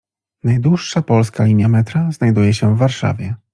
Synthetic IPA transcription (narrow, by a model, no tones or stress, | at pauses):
najd̪wuʂːapɔlskalʲimʲjamɛt̪ɾaznajd̪ujɛɕɛvːaɾʂa̰vʲjɛ